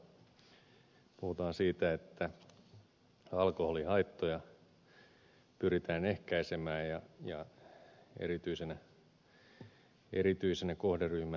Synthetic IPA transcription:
puhut̪ɑːnsiːt̪æet̪ːæ | ɑlkoholihɑit̪ːojɑ | pyrit̪æːnehkæisemæːjɑjɑ | ḛɾit̪yisenæ | eɾit̪yisenækohderyhmæ

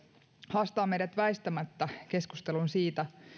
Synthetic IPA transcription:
hɑst̪ɑːmejɾæt̪ʋæist̪æmæt̪ːæke̞skust̪e̞lunsiːt̪æ

